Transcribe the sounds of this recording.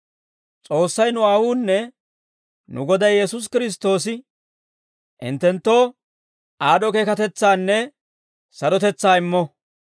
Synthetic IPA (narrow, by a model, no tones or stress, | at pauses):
t͡sʼo̞ːsːɐjnʊaːwuːnːɛ | nʊ̰ɡɔd̪ɐjjɛsʊs̬kɪɾɪs̬t̪o̞ːsɪ | ʔɪ̰nt̪ːɛnt̪ːo̞ː | ʔaːdɔke̞ːkɐt̪ɛt͡sːaːnːɛ | sɐd̪ɔt̪ɛt͡sːaːɪmːɔ